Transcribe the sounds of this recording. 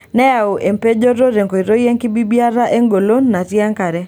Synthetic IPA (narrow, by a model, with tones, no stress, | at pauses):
nɛ˦ja˨o˨ʔe˨mpe˦d͡ʒo˦ɾo˦ɾe˨ŋko˨i˨ɾo˦jɛ˦ŋkɪ˦bi˦bja˦ɾa˦ʔe˦ŋɡo˨lo˦nːa˨tja˦ŋka˨ɾɛ˦